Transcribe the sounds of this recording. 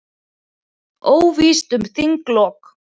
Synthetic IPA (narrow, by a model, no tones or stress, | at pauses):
oːwviːst̪ʏmθiŋklɔːk